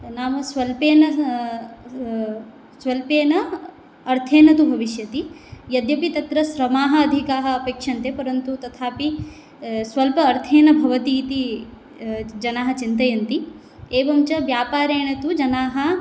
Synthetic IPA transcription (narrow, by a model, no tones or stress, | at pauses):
naːʋɐsʋɐlpeːnɐ | sʋɐlpeːnɐː | ɾt̪ʰeːnɐt̪ubʱɐʋiʃjɐt̪i | jɐd̪jɐpit̪ɐt̪ɾɐʃɾɐmaːɦɐːd̪ʱikaːɦɐɐpeːkʂɐnt̪eːpɐɾɐnt̪ut̪ɐt̪ʰaːpi | sʋɐlpɐːɾt̪ʰeːnɐbʱɐʋɐt̪iːt̪i | d͡ʒɐnaːɦɐ̆t͡ʃint̪ɐjɐnt̪i | eːʋɐmt͡ʃɐʋjaːpaːɾeːɳɐt̪ud͡ʒɐnaːɦɐ